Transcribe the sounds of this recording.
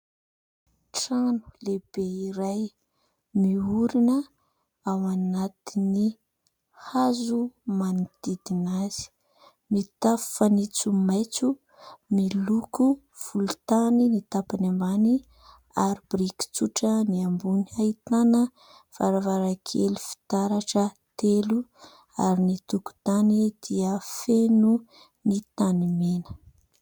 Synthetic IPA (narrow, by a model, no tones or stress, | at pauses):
ʈ͡ʂanu̥leb̥eiɾaj | miuɾinə | awanat̪ini | hazumanid̪̥id̪inaz̥i̥ | mit̪affanit͡sumajt͡su | miluku | v̥ulut̪aninit̪apanambani | aɾibɾiki̥t͡suʈ͡ʂəniambuniait̪anə | v̥aɾavaɾakʰḛlu̥fi̥t̪aɾaʈ͡ʂə | t̪elu | aɾinit̪uku̥t̪anid̪̥iəfenu | nit̪animenə̥